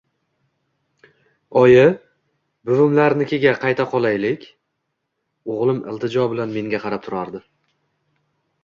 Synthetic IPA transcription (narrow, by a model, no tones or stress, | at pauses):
ɒjɪ | bʊvʊmlaɾnɪkʲʰe̞ɡʲaqʰɑjt̪ʰaqʰɒlˠajlɪkʲ | oʁlˠɪmʔɪ̰lˠt̪ʰɪd͡ʒɒbɪlanme̞ŋɡʲaqʰɑɾap̚t̪ʰʊɾaɾd̪ɪ